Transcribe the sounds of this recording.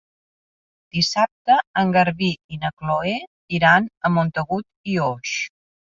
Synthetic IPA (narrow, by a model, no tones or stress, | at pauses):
d̪̥isap̚t̪əːŋɡəɾβiinəkloe | iɾanəmont̪əɣut̪ioʃ